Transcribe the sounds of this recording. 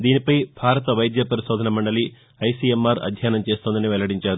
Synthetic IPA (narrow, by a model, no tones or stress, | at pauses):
d̪iːnipɐjbʱaːɾɐt̪ɐʋɐjd̪jɐpɐɾiʃoːd̪ʱɐnɐmɐɳɖɐli | ɐjsiemːaːɾɐ̰d̪ʱjaːnɐmt͡ʃeːst̪ond̪ɐniʋɛlɐɽiɲt͡ʃaːɾu